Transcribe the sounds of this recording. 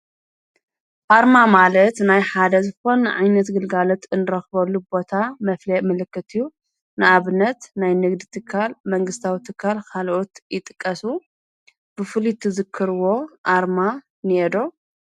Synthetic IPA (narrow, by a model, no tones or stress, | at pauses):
ʔaɾmamalɐt̪najħad̪ɐzɨxo̞nɨʕa̰jnɐt̪ɡɨlɡalot̪ɨnːɨɾɐxβɐlːubo̞t̪ʰamɐflɐmɨlɨkːɨt̪ʰɨjːu | nɨʔaβɨnɐt̪najnɨɡd̪it̪ʰɨkʰːalmɐŋɡɨst̪ʰawit̪ʰɨkʰːalkʰalʔot̪jɪt̪ʼɨkʼːɐsu | b̥ɨfɨlit̪ʰɨzɨkʰːɨɾɨwo̞ʔaɾma | nied̪o̞